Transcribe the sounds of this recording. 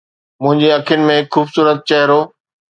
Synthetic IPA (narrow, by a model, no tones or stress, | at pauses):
mʊ̃ɦɪ̃ɲd͡ʑeɐkʰijʊnɪ̆mẽxuːbsuːɾət̪̚t͡ɕɐɦɪɾoː